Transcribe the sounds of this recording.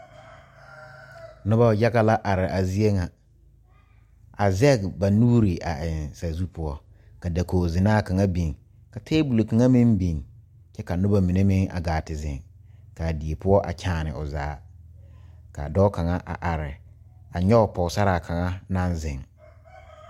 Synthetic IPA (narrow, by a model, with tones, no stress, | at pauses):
nʊ˦ba˦˨ja˦ɡa˦la˦ʔa˨ɾɪ˨ʔa˨zi˦e˦ŋa˨ | a˨zɛ˦˨kba˨nuː˦ɾi˨ʔa˨ɪ˨nsa˨zu˦pʰʊ˦ɔ˦ | ka˨da˨ko˨zɪ˨naː˦˨ka˨ŋa˦bi˨ŋ | ka˨tʰeː˦bu˨lo˨ka˨ŋa˦mɪ̃˦mbi˨ŋ | t͡ʃɛ˦ka˨nʊ˦ba˦mi˨ne˦mɪ˦ŋa̰˨ɡaː˨tɪ˨zɪ̰̃˨ŋ | ka˨di˨e˨pʊ˦ɔ˦ʔa̰˨t͡ʃʰaː˨nɪ̰˨ʊ˨za̰ː˦ | ka̰˨dɔ˦ka˨ŋa˦ʔa̰˨ʔa˨ɾɪ˨ | a˨ɲɔ˦ʊ˨pɔ˨sa˦ɾa˨kʰa˨ŋa˦nã˦nzɪ̃˨ŋ